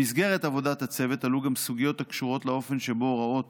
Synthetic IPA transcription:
isɡe̞ʁet̪avo̞dat̪at͡se̞ve̞taluɡamsuɡijo̞t̪akʃuʁo̞tleo̞fe̞nʃebo̞ʁao̞t

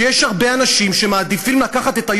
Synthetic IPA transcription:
jeʃhaʁbe̞anaʃimʃe̞maːd̪ifimlakaχat̪e̞t̪aj

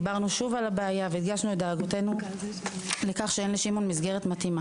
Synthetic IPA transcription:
baʁnuʃuvalabeajaveit̪ɡaʃnuetdeːɡote̞nu | le̞kaχʃeenliʃimo̞nmizɡe̞ʁ̞etmatima

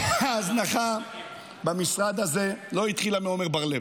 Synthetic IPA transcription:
aːznaχa | bamisʁad̪aze̞lo̞it̪χilameomeʁbaʁle

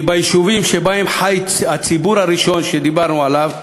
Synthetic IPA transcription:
bajiʃuvimʃebaemħaj | at͡sibuɾaɾiʃo̞nʃed̪ibaʁnualav

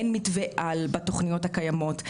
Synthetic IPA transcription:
nmitveʔalbatoχnijo̞thakajamo̞t

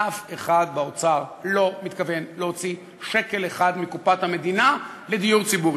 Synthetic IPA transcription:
afeχad̪̚baot͡saʁlo̞mit̪kave̞nleot͡si | ʃe̞ke̞leχad̪mikupathame̞d̪ina | le̞d̪ijuʁt͡sibuʁ

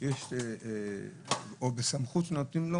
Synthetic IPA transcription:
jeʃe | obesamχut̪not̪nimlo

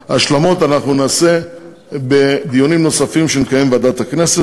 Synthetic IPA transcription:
aːʃlamo̞t̪anaχnunaːse̞ | be̞d̪ijonimno̞safimʃenikaje̞mbead̪at̪hakne̞se

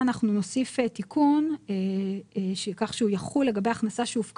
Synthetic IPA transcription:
anaχnuno̞sifetikʰune | ʃekaχʃeujaχulːe̞ɡabejaχnasaʃeufk

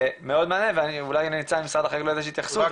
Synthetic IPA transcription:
meo̞d̪maːne̞veaniulajaninit͡saimsʁad̪aχeklojd̪eʃit̪jaχsu

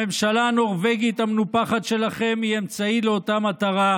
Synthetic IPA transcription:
emʃalano̞ʁveɡit̪amenupaχat̪ʃe̞laχe̞miemt͡saileo̞tamat̪aʁa

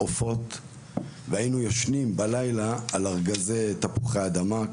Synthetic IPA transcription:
ofo̞t | veainujoʃnimbalajlaːlaʁɡazejt̪apuχeaːd̪ama

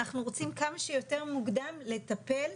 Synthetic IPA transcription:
aχnuʁo̞t͡simkamaʃejo̞te̞ʁmuɡd̪amle̞t̪ape̞l

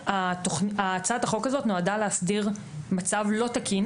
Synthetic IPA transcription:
atoχat͡sataχo̞kazo̞tnoadaleasdiʁ | mat͡savlo̞takin

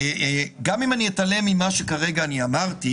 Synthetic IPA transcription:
ɡamimanijet̪ale̞mimaʃe̞kaʁe̞ɡaːniamaʁt̪i

